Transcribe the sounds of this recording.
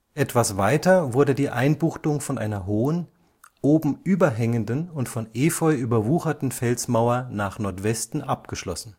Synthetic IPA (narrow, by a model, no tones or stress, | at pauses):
ʔɛtv̥asv̥aɪtɐvʊɐdədiːʔaɪnbuːxtʊŋfɔnʔa̰ɪnɐɦoːən | ʔoːbm̩ʔyːbɐɦɛŋəndnʊntfɔnʔeːfɔʏʔyːbɐvuːxɐtn̩fɛlsmaʊɐnaːχnɔɐtv̥ɛstn̩ʔap̚ɡ̥əʃlɔ̰sn̩